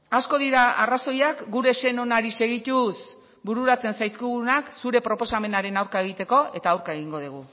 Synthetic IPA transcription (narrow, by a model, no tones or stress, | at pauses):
asko̞ðiɾaaraso̞jakɡuɾe̞se̞no̞naɾise̞ɣ̞it̪us | buɾuɾat͡se̞nsajskiɣunaksuɾe̞pɾo̞po̞same̞naɾe̞nawɾkae̞ɣ̞it̪e̞ko̞e̞t̪aːwɾkae̞ɣ̞iŋɡo̞ð̞uɣ̞u